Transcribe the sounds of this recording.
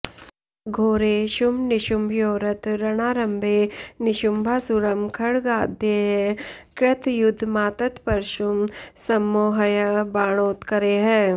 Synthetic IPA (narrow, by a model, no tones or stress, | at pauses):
ɡʱoːɾeːʃʊmnɪʃʊmjoːɾɐt̪ɾɐɽ̃aːɾɐmbʱeːnɪʃʊmbʱaːsuɾɐmkʰɐɽɡaːd̪ʱjeɦɛ̃kɾɪt̪ʰjʊd̪ʱmaːt̪ət̪pɐɾʃʊmsɐmːoːɦɐjəbaːɽ̃oːt̪kɐɾeːɦɛ̃ː